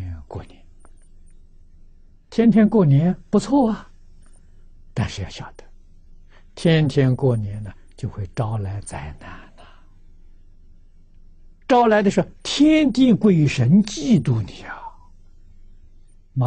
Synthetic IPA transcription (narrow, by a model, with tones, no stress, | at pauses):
kwɔ̰˥˩nɛ˧˥n | t̪ʰjɛ˥nt̪ʰjɛ˥nkwɔ˥˩njɛ˧˥npu˧˥t͡sʰwɔ˥˩ɐ˨ | t̪a˥˧nʂɻ̩˥˧jɑ˥˩ɕjɑ˨˩ʊd̪̥ə̥˩ | t̪ʰjɛ˥nt̪ʰjɛ˥nkwɔ˥˩njɛ˧˥nə˨ | t͡ɕjo˥˧ʊxwe˥˩ɪʈ͡ʂɑ˥ʊla˧˥ɪt͡sa˥˩ɪna˥˩nə˨˩ | ʈ͡ʂɑ˥ʊla˧˥ɪd̪ə˧ʂɻ̩˧˥xt̪ʰjɛ˥nt̪i˥˩kwe˥˩ɪy˧˥ʂə˧˥nt͡ɕi˥˧t̪u˥˩ni˨˩a˨˩ | m˧